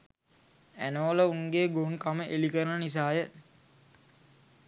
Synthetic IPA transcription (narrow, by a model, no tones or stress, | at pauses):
ænəʋələuŋɡeːɡoŋkaməʔelikəɾənənis̬aːjə